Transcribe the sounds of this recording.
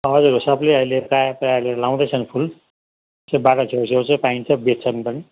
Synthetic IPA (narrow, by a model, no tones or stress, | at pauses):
ɦʌd͡zuɾosʌbleʌjleɾkajpailelaw̃d̪ʌjt͡sʰʌnpʰul | sebaʈʌt͡sʰesoɾt͡sʌpaint͡sʰʌbet̪̚t͡sʰʌnpʌni